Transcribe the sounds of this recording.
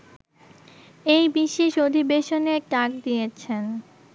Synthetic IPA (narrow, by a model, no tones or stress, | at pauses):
ejbiʃeʃod̪ʱibeʃoneɾʈak̚d̪ijet͡ɕʰen